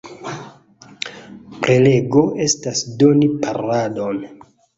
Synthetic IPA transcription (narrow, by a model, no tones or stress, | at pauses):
pɾe̞le̞ɡo̞ʔe̞stasdo̞nipaɾadon